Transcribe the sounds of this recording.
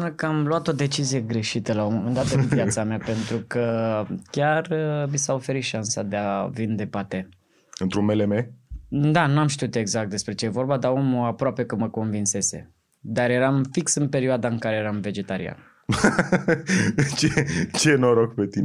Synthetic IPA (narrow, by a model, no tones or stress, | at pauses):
nəkəamluat̪o̞d̪e̞t͡ʃizije̞ɡɾe̞ʃit̪əlaomomend̪at̪ənviasameape̞nt̪ɾukəkʲarəmisaofe̞ɾit̪ʃansa̰d̪e̞avind̪e̞pat̪e | ɨnt̪ɾunmelemed̪anuamʃt̪iut̪e̞ɡzak̚t̪̚d̪e̞spɾe̞t͡ʃe̞jevo̞rbad̪ao̞muapɾoape̞kɨməko̞nvinse̞se̞̰ | d̪aɾje̞ɾamfiksɨnpe̞ɾioad̪aɨŋkaɾe̞jeɾamve̞d͡ʒe̞t̪aɾḭa̰n | t͡ʃet͡ʃenoɾoɡpe̞t̪in